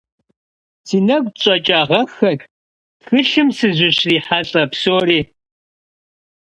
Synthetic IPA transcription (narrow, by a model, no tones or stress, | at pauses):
sʰiːnɐɡʷʼt͡ʃʼɐt͡ʃʼaːʁɐxɐk | txɨɬɨmsɨʑʷʊɕriːħaɬʼɐpsoːɾiː